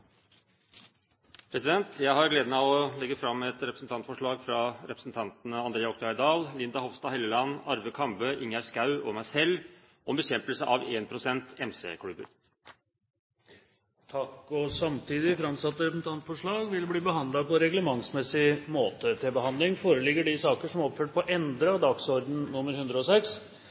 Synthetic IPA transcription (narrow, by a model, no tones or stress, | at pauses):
pʰɾɛsɪd̪ɛnt̪jæɪɦɑɾɡleːd̪nɑɔlɛɡəfɾɑmːɛt̪ɾɛpɾəsn̩t̪ʰɑnt̪fɔʂɭɑːɡfɾɑɾɛpɾəsn̩t̪ʰɑnt̪ənəɑnd̪ɾeːɑɔkt̪ʰɑɪd̪ɑːllɪnd̪ɑhɔʋst̪ɑhɛlːəlɑnɑɾʋəkʰɑmbəʔɪŋæɾskɑʉɔmæɪsɛlː | ʔɔmbəɕɛmpəlsəʔɑʋeːnpʰɾʊsɛnt̪ɛmsḛːkʰɽʉbə̰ɾ | t̪ʰɑkːɔsɑmt̪ʰiːd̪ɪfɾɑmsɑt̪ːəɾɛpəsn̩t̪ʰɑnt̪fɔʂɭɑːɡʋɪlbliːbəɦɑnd̪lɑpɔɾɛɡləmɑŋsmɛsɪmoːt̪ət̪ʰɪlbəɦɑnd̪lɪŋfoːɾəlɪɡəɖɪsɑːkəʂɔmɔpføːʈ̚pʰɔʔɛnd̪ɾəɑʋd̪ɑɡsɔɾd̪n̩nʊmːəɾhʉnd̪ɾəɔsɛks